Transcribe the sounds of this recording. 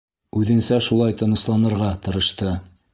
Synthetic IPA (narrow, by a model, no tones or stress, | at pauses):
ʉðɘ̆nsæʃulˠɑjt̪ɤ̆nɤ̆slˠɑnɤ̆ɾʁɑt̪ɤ̆ɾɤ̆ʃt̪ɤ